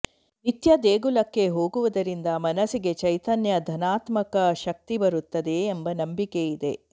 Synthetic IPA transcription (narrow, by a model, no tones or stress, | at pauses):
nit̪jɐd̪eːɡulɐkːe̞ɦo̞ːɡuʋud̪ɐɾind̪ɐmɐnɐsiɡe̞t͡ʃɐjt̪ɐnjɐd̪ʱɐnaːt̪mɐkɐʃɐk̚t̪ibɐɾut̪ːɐd̪e̞ːmbɐnɐmbikejid̪e̞